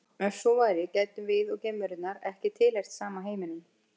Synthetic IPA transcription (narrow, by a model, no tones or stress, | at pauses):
ɛnsɔvaːjɾɪcɛt̪ʏmvɪðɔɣcejmːʏɾʏt̪naɾɛhcɪt̪ʰɪlajxt̪saːmaɦeːjmɪnɪm